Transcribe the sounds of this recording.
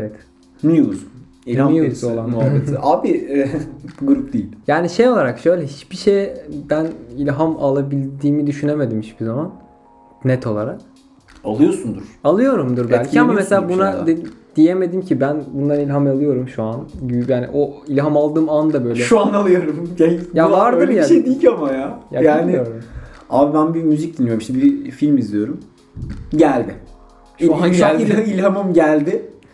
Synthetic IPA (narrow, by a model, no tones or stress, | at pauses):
evɛt̪ | nijuz | ilʲhanijuzolˠanaet̪aːbiɛɡuɾup̚d̪ijilʲjaːniʃejolˠaɾakʃø̞jlʲɛɦit͡ʃb̥iʃejd̪ænilʲɦamalˠabilʲd̪iːmid̪yʃyne̞me̞d̪imhiit͡ʃbizaman | nɛt̪ʰo̞lˠaɾak̚ | alˠɯjo̞sund̪uɾ̥alˠɯjo̞ɾumd̪uɾd̪ælʲcʰiamameselʲaːbunad̪eid̪̥ije̞me̞d̪imcʰibænbund̪anilʲɦamalˠɯjo̞ɾumʃuanjaːnḭʔoilʲɦamalˠd̪ɯːmand̪abø̞jlʲɛʃuanalˠɯjo̞ɾumjajavaɾdøɯlɛʃejd̪ikamajaːjajaːnɪijoɾɾumaːbibænbimyzic̚d̪inːijoɾmʃɛbiɾfilʲmizijo̞ɾum | ɟælʲd̪ɪ | ʃuanalʲiilʲɦamɯmɟælʲd̪ɪ